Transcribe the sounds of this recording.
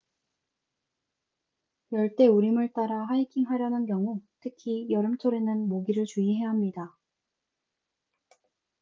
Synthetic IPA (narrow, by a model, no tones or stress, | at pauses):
jʌɭt͈e̞uɾimɯɭt͈aɾaɦaikʰiŋɦaɾjʌnɯnk̬jʌŋutʰɯkʰijʌɾɯmt͡ɕʰoɾe̞nɯnmoɡiɾɯɭt͡ɕuiɦe̞aɦamɲida